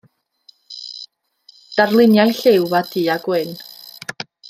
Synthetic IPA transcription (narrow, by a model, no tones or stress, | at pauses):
d̥arlˠɪnjajɬɪwvad̥iːaɡwɪn